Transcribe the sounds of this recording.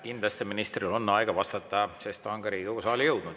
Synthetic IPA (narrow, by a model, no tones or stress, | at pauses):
kind̪lɑst̪eminist̪riolonːɑjɡɑvɑst̪ɑt̪ːˑɑsest̪oŋɡɑɾiːkoɡusɑːlʲijɤwd̪̥nud̪